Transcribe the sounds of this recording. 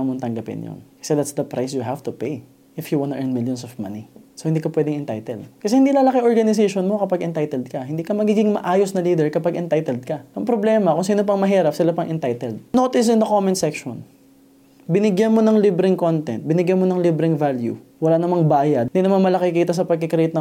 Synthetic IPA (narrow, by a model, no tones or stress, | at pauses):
mont̪ɐŋɡɐpɪ̰njo̰nkɐ̥sɛd̪at̪sd̪ɐpɾajsjuɦaft̪ʊpej | ʔɪfjuwãnt̪ʊʔɛɹnmiljɔnsovma̰nisohɪnd̪ikɐpwɛːd̪ɪŋɛnt̪a̰jt̪ɛld̪̚kɐsɛhɪnd̪ilaːlɐkɪʔoɹɡɐnɪs̬eʃonmo̞kɐpaɡʔɛnt̪ajt̪ɛld̪̚kɐhɪnd̪iːkɐmɐɡiɡɪŋmɐ̰ʔaːjosnɐliːd̪ɛɹkɐpaɡʔɛnt̪ajt̪ɛld̪̚kɐʔɐŋpɾoblɛmɐkoŋsiːnop̬ɐŋmɐɦiːɾɐp̚sɪlapɐŋʔɛnt̪ajt̪ɛld̪̚noːt̪ɪs̬ɪnd̪ɐkomɪ̃nsɛkʃo̰n | bɪnɪɡjanmo̞nɐŋlibɾɪŋkont̪ɛ̰nt̪̚bɪnɪɡjanmonɐŋlibɾɪŋvaljṵwɐlanɐmɐŋbaːjɐd̪̚ɪnd̪inɐmanmɐlɐkɪkiːt̪ɐsɐpɐɡ̚kɪkɾɛt̪̚nɐ